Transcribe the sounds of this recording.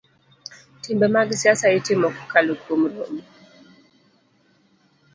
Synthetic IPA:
timbɛmaɡisiasaitimɔku̥kalukum̩ɾɔmi

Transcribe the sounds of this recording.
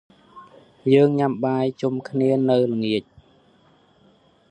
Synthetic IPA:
jəːŋɲamɓaːjt͡ɕumkʰniənɨwlɨŋːiəc̚

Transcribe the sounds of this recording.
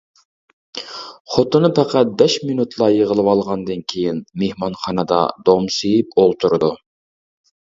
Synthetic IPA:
χot̪ɨnɨpʰɛqʰæt̪̚bɛʃminut̪ʰlˠɑjəʁəlˠɨwɑlˠʁɑnd̪ɨnkʲʰejinmehmɑnχɑnɨd̪ɑ̰d̪omsejipolˠt̪ʰuɾɨd̪u

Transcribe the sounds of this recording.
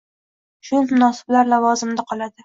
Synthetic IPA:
ʃʊmʊnɒsɪ̥blaɾlavɒzɪmd̪aqʰɒlˠad̪ɪ

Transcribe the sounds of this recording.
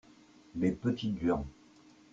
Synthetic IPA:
lepət̪id̪ɥɛʁ

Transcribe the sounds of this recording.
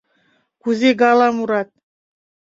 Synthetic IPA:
kuzeɡɑlˠɑmuɾɑt̪̚

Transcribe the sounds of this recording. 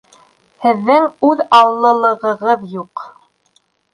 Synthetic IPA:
hɘ̆ðːɘŋʉðɑwlˠːɤ̆lˠɤ̆ʁɤ̆ʁɤðjuq

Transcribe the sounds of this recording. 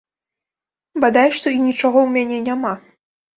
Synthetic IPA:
bad̪ajʂt̪ɔinʲit͡ʂaɣɔwmʲanʲɛnʲama

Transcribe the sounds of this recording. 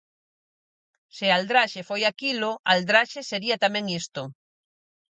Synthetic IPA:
sɪald̪ɾaʃefojakiloald̪ɾaʃeseɾiat̪amɛ̃ŋist̪ʊ

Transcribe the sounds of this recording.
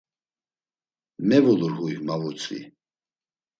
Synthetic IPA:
mɛvɔluɾhujmavɔt͡sʼḭ

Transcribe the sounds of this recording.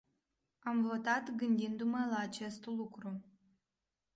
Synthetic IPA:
amvo̞t̪at̪ɡɨnd̪ind̪uməlaːt͡ʃe̞st̪lukɾu

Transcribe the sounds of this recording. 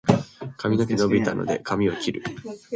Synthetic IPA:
kamʲino̞kʲinobit̪ano̞̰d̪e̞̰kamʲio̞kʲiɾɯ̟

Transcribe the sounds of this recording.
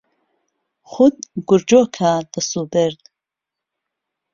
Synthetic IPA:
χʊd̪ɡʊɾd͡ʒɔkʰaːd̪̥asubɛɾd̪

